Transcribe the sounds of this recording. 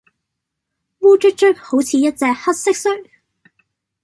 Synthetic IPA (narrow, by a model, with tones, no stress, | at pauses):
wuː˥t͡ʃɵ˥k̚t͡ʃœ˥k̚ho˨˥wt͡sʰiː˨˧jɐ˥t̚t͡sɛː˧k̚hɐ˥t̚sɪ˥k̚sœ˥ŋ